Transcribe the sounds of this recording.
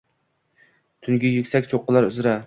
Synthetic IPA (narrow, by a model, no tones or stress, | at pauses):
t̪ʰyŋɡʲijykʲsɛkʲt͡ʃʰoqːəlˠɑɾyzɾɛ